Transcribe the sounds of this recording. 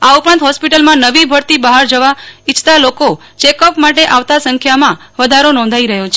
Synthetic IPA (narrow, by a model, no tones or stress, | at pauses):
aupɾãnt̪ɦɔspiʈəlmãnəʋibʱəɾt̪ibaɦaɾd͡ʒəʋait͡ʃʰt̪aloko | t͡ʃekəpmaʈeʔaʋt̪asə̃ŋkʰjamã | ʋəd̪ʱaɾonɔ̃nd̪ʱaiɾəɦjot͡ʃʰe